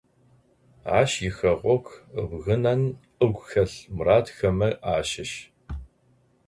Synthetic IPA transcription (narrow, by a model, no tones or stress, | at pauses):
a̰ːʃjɪxɐʁʷɔkʷʰbɣɨnɐn | əɡʷxɐɬmraːtxɐmɐʔaːʃɪʃ